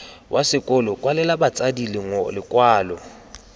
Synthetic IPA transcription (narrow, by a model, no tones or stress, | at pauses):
wʔasɪkʼɔlɔkʼwalɛlabat͡sʼadilɪŋɔlɪkʼwaːlɔ